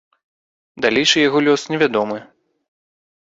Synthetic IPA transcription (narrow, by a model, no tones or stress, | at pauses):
d̪alʲejʂɨjaɣɔlʲɔsnʲɛvʲad̪ɔmɨ